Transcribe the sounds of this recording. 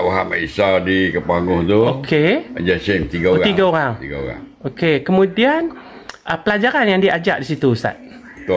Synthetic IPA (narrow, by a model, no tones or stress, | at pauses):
wuɦaʔma̰isadikəpaŋʊht̪uokʰead͡ʒasemt̪iɡaoɣat̪iɡaoɾaŋt̪iɡao̰ɣa̰ŋokekəmudianʔəpəlad͡ʒaɾanjaŋdiad͡ʒa̰ʔdisit̪ust̪a̰t̪̚ | t̪o